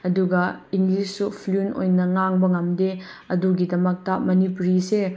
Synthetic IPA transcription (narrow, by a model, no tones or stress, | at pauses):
ɐduɡɐiŋɡlisːupʰluno̰jnɐŋaŋbɐŋɐmde | ɐduɡidɐmɐk̚tɐmɐnipuɾise